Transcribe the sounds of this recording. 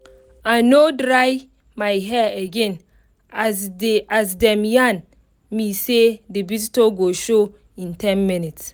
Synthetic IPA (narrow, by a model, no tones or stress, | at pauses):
anodɹaj | majɦɛeɡɛ̃n | aasdɛ̃mjãn | misedibizitoɡoʃo | ĩntʰɛ̃nminits